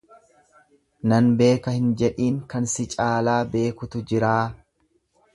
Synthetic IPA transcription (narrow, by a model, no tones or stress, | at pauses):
nɐnbe̞ːkɐhɪnd͡ʒɛᶑiːŋkɐnsɪt͡ʃʼaːlaːbe̞ːkʊt̪ʊd͡ʒɪɾaː